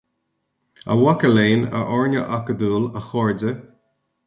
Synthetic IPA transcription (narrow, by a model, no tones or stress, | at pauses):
ə̰wakəleːnə̰ʔɔɹnə̰ʔakəd̪uːləxɔɹdə